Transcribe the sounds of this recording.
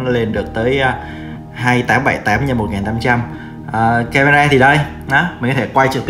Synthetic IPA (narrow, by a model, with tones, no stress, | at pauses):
ŋli˨˩nɗɨ˨˩ək̚t̪əː˨˦j | ɦaː˧jt̪aː˨˦mɓa˧˩jt̪aː˨˦mɲa˧˩mo˨˩t̚ŋaː˨˩nt̪aː˨˦mt͡ɕa˧m | ʔəː˨˩kɛ˧mə˧ɹaː˧t̪ʰi˨˩ɗə˧j | nɔ˨˦m˨˩kɔ˧˦e˧˩kwa˧jt͡ɕɨ˨˩k̪t̪